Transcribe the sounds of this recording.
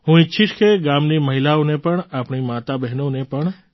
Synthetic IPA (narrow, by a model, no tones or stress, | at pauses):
ɦũɪːʃʰiʈkʰeɡamniməɦilaõnepəɳapɳ̃imat̪abɛɦnonepəɳ